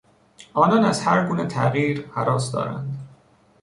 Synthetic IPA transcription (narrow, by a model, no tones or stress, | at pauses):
ʔɒːnɒːnæzhæɾɡuːnet̪ʰæɣjiːɾhæɾɒːsd̪ɒ̰ːɾæ̰nd̪